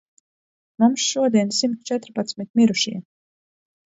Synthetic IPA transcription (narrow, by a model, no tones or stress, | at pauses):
mumsʃuɔd̪iɛnsimt̪t͡ʃɛt̪ɾpat̪smit̪̚mʲiɾuʃḭɛ